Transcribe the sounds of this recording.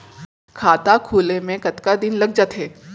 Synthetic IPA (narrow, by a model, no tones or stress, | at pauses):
kʰaːt̪akʰuːlẽmẽkɐt̪kad̪ɪnlɐɡd͡ʒaːt̪ɦeː